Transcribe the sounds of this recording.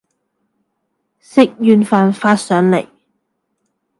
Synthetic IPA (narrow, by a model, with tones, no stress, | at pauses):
sɪ˥k̚jyː˧nfaː˨nfaː˧t̚sœː˨˥ŋlḛ˨˩j